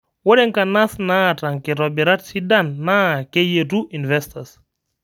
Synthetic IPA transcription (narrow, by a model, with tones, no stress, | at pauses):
wo˦ɾɛ˦ŋkana˦sna˦ta˨ŋke˨ɾɔbɛ˨ɾa˦tsidanːa˦ke˦jetu˦ʔi˨nvɛstas